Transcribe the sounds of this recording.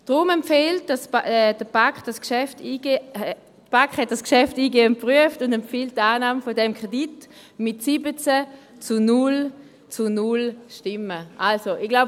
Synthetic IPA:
d̥ʁʊmɛmpfɛlt̚d̥asɛd̥əb̥akχd̥askʃɛftie | dəb̥akχhɛt̚d̥askʃɛftiːɡeːʊnt̚pʁyəftʊndɛmpfilt̚daːnaːməfodɛmkʁ̥edit | mɪtsibət͡sɛ | t͡sunʊl | t͡sunʊlʃtɪməʔalsoʔɪɡ̥laʊb

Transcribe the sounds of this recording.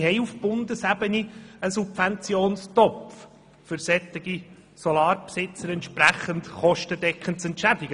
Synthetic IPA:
hɛɪufb̥ʊndəsæbəniəsubvɛnt͡sjoːnstɔpf | fʏɾsɛt̪ɪɡ̥i | sɔlɑːɾpsɪt͡səɾɛntʃpræχəntχɔʃtədɛkχənsɛntʃædɪɡə

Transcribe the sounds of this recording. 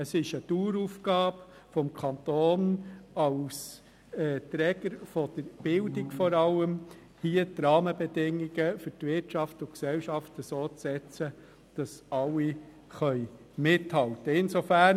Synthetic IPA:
əsɪʃəduːɾufɡ̥ɑːb | fɔmkʰɑnt̪oːnɑls | ɛːt̪ɾɛːɡəɾfɔd̥əɾb̥ɪldɪkfɔɾɑləm | hiːətɾɑːməbɛdɪŋːiɡəfʏtʋɪtʃɑftʊksɛlʃɑftəsoːt͡sːɛt͡sə | d̥ɑsɑlːi | χœʏ | mɪthɑltəɪnsofæn

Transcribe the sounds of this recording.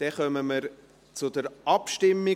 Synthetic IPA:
d̪̥ɛχœməməɾ | t͡sʊd̪əɾʔɑpʃtɪmːi

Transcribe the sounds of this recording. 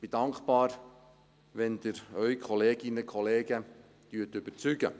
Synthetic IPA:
b̥id̥ɑŋkpɑːɾ | ʋɛnd̪əɾœʏkʰχɔleːɡ̥ɪnəkʰχɔleːɡ̥ə | t̪yːətʏb̥ət͡syɡ̥ə

